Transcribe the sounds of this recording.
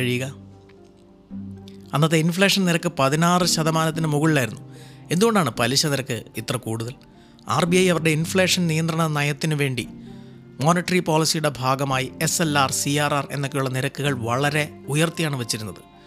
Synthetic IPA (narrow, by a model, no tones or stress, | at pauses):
ɐɻijuɣɐ | ɐnːɐt̪ːeinfɭe̞ːʂɐnniɾɐkːɨpɐðinaːrɨɕɐðɐmaːnɐt̪̬ːinɨmuɣɐɭilaːjiɾunːue̞nd̪uɣo̞ɳɖaːɳɨpɐliɕɐniɾɐkːɨit̪ːrɐkuːɽuðɐl | a̰ːrbijɐjɐʋɐɾɨɽe̞infɭeːʂɐnnijɐnd̪rɐɳɐnɐjɐt̪ːinɨʋe̞ːɳɖi | mo̞ːniʈːɐripoːlisijuɽe̞bʱaːɡɐmaːjiese̞laːrsiaːraːre̞̰nːo̞kːejuɭːɐniɾɐkːuɣɐɭʋɐɭɐɾe̞ujɐrt̪ijaːɳɨʋet͡ɕːiɾunːɐðɨ